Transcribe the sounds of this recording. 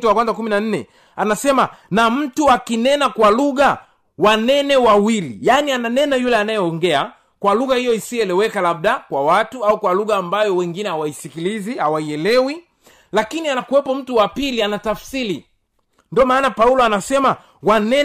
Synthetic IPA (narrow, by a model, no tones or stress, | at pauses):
tuwakwanzakuminan̩nɛ̰ | anasɛmanam̩tuakinɛnakwaluɣa | wanɛnɛwawilḭjaniananɛnajulɛanajɛɔŋɡɛa | kwaluɣahijɔisiɛlɛwɛkalab̚ɗakwawatuaukwaluɣaːmbajɔwɛŋɡinɛhawaisikilizihawaiɛlɛwi | lakinianakuwɛpɔm̩tuwapilianatafsili | ndiɔmaːnapaulɔanasɛma | wanɛ